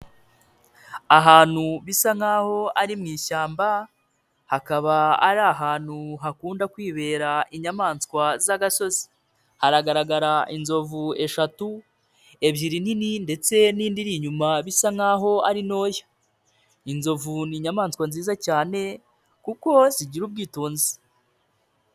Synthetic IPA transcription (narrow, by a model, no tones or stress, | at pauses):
aɦaːn̥huβisaŋ̥aːho̞aɾimŋiːʃaːmba | hakaβaa̰ɾaɦaːn̥huɦakuːndakwiːβe̞ːɾaiɲamaːnskwazaɡaso̞zi̥ | haɾaɡaɾaɡaɾainzo̞vue̞ʃatu | e̞βjiɾinininde̞t͡se̞niːndiɾiɲumaβisaŋ̥aːɦo̞aɾino̞ːjḁ | inzo̞vuniɲamaːnskwanziːzacaːne̞ | kuko̞ziɟiɾub̚ɡiːtuːnzi